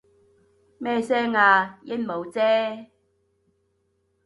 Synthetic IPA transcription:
mɛː˥sɛː˥ŋaː˧jɪ˥nmo˨˧wt͡sɛː˥

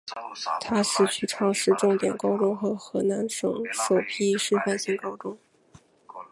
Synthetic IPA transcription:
t̪ʰa˥ʂɻ̩˥˩t͡ɕʰy˥˩ʈ͡ʂʰɑ˥˧ŋʂɻ̩˥˧ʈ͡ʂʊ˥˩ŋt̪jɛ˨˩nkɑ˥ʊʈ͡ʂʊ˥ŋxɤ˧˥xɤ˧˥na˧˥nʂɤ̰˨˩ŋʂo˨˩ʊpʰi˥ʂɻ̩˥˧fa˥˧nɕi˥ŋkɑ˥ʊʈ͡ʂʊ˥ŋ

